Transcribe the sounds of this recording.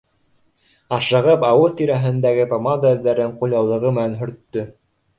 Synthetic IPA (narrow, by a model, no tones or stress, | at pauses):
ɑʃɤ̆ʁɤpɑwɤðt̪iɾæɦɘ̆nd̪æɡɘpomand̪aɵ̆ðːæɾɘŋqulʲɑwlˠɤ̆ʁɤmɘ̆nænɦɵ̆ɾt̪ːɵ